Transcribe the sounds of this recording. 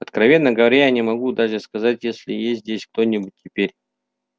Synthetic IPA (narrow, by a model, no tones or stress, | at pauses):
ɐt̪kɾɐvʲe̞nːəɡəvɐɾʲajanʲɪmɐɡud̪aʐɨskɐzatʲjesʲlʲɪjesʲt̪ʲdʲesʲk̚t̪o̞nʲːɪbʊt̚ʲtʰʲːɪpʲeɾʲ